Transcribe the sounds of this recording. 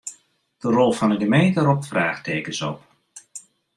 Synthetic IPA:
d̥ərɔlˠfɔnəɡəmejntəɾɔpfraːxtʰeːkəsɔp

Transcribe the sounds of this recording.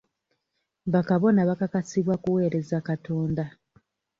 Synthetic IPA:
βakaβo̞naβakakasiβwakuwe̞ːɾe̞zakato̞ːnda

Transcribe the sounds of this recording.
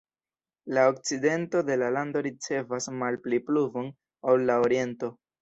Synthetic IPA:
laok̚t͡side̞nto̞de̞lalando̞ɾit͡se̞vasmalplipluvo̞n | awlːaoɾie̞nto̞

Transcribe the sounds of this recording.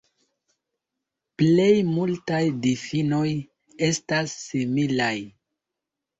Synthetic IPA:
ple̞jmultajdifino̞j | e̞stasːimilaj

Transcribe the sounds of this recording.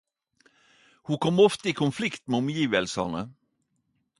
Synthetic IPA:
huːkʰɔmɔft̪əiːkʰʊnflɪkt̪meːɔmjiːʋəlsə̰nə

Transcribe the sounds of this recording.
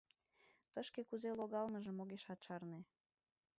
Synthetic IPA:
t̪əʃkekuzeloɣɑlməʒəmoɣeʃɑt̪ʃɑrne

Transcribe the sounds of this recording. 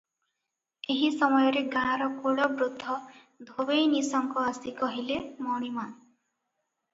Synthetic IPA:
eɦisɔmɔjɔɾeɡãɾɔkoɽɔbɾud̪ʱːɔ | d̪ʱobejnisɔŋkɔasikɔɦilemɔɽ̃ima

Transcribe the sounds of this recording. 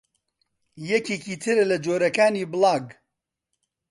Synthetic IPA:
jɛkeːkiːt̪ʰɨɾɛlɐd͡ʒoːɾɐkaːniːbɨlɑːɡ

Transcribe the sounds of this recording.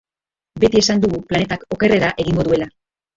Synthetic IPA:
be̞t̪ie̞sand̪uɣuplane̞t̪ako̞ke̞re̞ɾaʔe̞ɣiŋɡo̞ðue̞la

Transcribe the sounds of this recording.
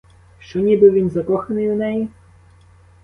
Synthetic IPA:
ʃt͡ʃɔnʲibɪʋʲinzɐkɔxɐnɪjunɛji

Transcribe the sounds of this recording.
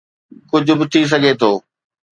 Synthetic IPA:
kʊd͡ʑʱʊbɪt̪ʰis̬ɐɡʱet̪ʰoː

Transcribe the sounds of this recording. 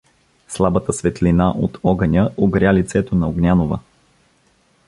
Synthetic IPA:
slˠabət̪əsvɛt̪linaʔot̪ʰɔɡənʲəoɡɾʲalit̪sɛt̪onɐoɡnʲanovə̰

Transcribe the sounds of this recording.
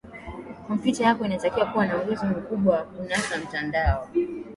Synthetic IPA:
kɔmpjitajakɔinatakiwakuwanauɡuzim̩kuɓwawakunasam̩tandaɔ

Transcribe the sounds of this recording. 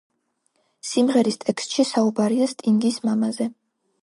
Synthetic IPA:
simʁɛɾist̪ʼɛkst̪ʼʃisaubaɾiast̪ʼiŋɡismamazɛ

